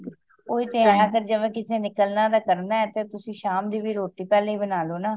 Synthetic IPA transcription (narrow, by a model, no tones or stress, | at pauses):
oːiːt̪eːɛ̃kəɾd͡ʒəʋɛ̃ːkɪseːnɪkəlnãːd̪aːkəɾnaːɛːt̪eːt̪ʊsĩːʃaːmd̪iːʋiːɾoːʈiːpɛːleiːbənaːloːnaː